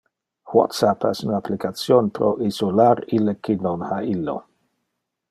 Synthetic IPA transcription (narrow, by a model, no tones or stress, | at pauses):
wɔ̰t̪sapɛ̰sunaplikat̪sjonpɾoʔizolaɾilekʰinonhailːo̰